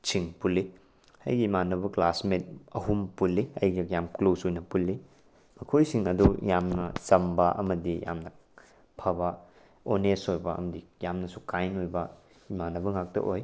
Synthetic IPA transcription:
t͡ʃʰiŋpulːi | hɐ̰jɡiːmanːɐbɐklasmet̚ɐɦumpulːiɐjɡɐjamklowsojnɐpulːi | mɐkʰojsiŋɐdujamnɐt͡ʃɐmbɐʔɐ̰mɐdija̰mnɐ | pʰɐbɐ | onesojbɐɐ̰mɐdijamnɐsu̥kajnojbɐ | imanːɐbɐŋak̚tɐ̰ʔoj

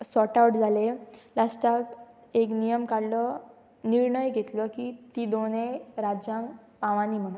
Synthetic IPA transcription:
sɔʈauʈd͡zʱalelasʈak | eknijəmkaɽlɔ | niɾɳəjɡʱet̪lɔkit̪id̪oneɾad͡ʑjãŋk | pãʋãniːm̤əɽ̃u

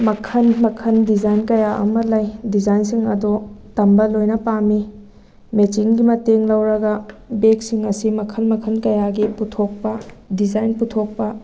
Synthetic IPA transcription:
mɐkʰɐnmɐkʰɐndizajnkɐjaʔɐ̰mɐlɐjdizajnsiŋɐdotɐmbɐlojnɐpami | met͡ʃiŋɡimɐteŋlɐwɾɐɡɐbek̚siŋɐsimɐkʰɐnmɐkʰɐnkɐjaɡiputʰok̚pɐdizajnputʰok̚pɐ

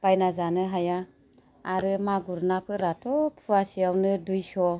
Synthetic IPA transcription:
b̥ajnazanɯɦajaː | ɾɯmaɡuɾnapʰɯɾatʰɔpʰuasiawnɯdujsɔ

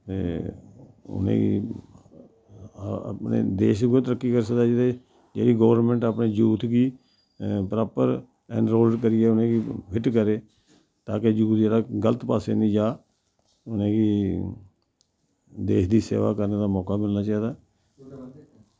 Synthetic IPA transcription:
t̪ḛː | ʊ̰nḛ̃ːɡḭ | pnḛːd̪eːʃɡot̪əɾəkːiːkəɾsəkd̪aːd͡ʒed̪e | d͡ʒḛːɽiːɡɔːʋəɾnmɛ̃ɳʈaːpneːd͡ʒuːt̪ʰɡiː | pɾaːpəɾ | ɛ̰̃ːɳɾoːlɖkəɾɪːɛːʊnẽːɡiːpʰɪʈkəɾeː | t̪aːked͡ʒuːt̪d͡ʒeːɾaːɡələt̪paːsḛːnĩːd͡ʒaː | ʊnẽːɡiː | d̪eːʃd̪iːsḛːʋa̰ːkəɾneːd̪aːmɔːkaːmɪlnaːt͡ʃaːiːd̪aː

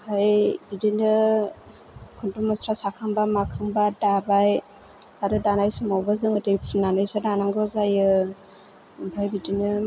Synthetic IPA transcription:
hajbidinɯ | kʰuntumɔsɾasakʰaŋbamakʰaŋbadabaj | aɾɯdanajsɯmɔwbazɯŋɯdɯjpʰunanajsɯdanaŋɡɔzajɯ | bʰʱajbidinɯ

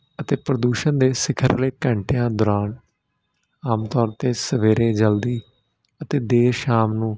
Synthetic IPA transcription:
ət̪eːpɾəd̪uːʃənd̪eːsɪkʰəɾleːkə̃ɳʈɪjãːd̪ʊɾaːn | aːmt̪ɔːɾt̪eːsəʋeːɾẽːd͡ʒəld̪iː | ət̪eːd̪eːʃaːmnũː

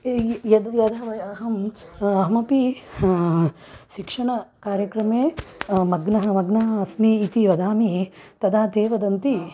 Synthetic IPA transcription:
jɐd̪jɐd̪ɐʋɐjɐɦɐmɐɦmɐpi | ʃikʂɐɳɐkaːɾjɐkɾɐmeːmɐɡnɐɦɐmɐɡnɐɦɐɐsmiːt̪iʋɐd̪aːmit̪ɐd̪aːd̪eːʋɐd̪ɐnt̪i

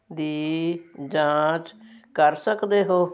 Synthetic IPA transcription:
d̪iːd͡ʒãːt͡ʃkəɾsəkd̪eːɦoː

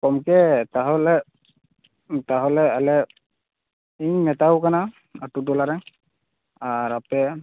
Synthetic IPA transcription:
kɔmkɛtaɦɔlɛ | taɦɔlɛalɛ | iɲmɛtawkana | atutɔlaɾɛ | aɹapɛ

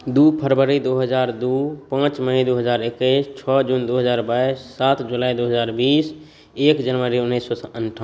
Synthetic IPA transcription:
d̪upʰəɾbəɾid̪oɦəd͡ʒaɾd̪upãt͡ʃməid̪uɦəd͡ʒaɾekəst͡ʃʰɔd͡ʒund̪oɦəd͡ʒaːɾbaisːat̪ʰd͡ʒulaːid̪oɦəd͡ʒaːɾbiːs | ekd͡ʒənʋəɾiunːisːɔsənʈʰə

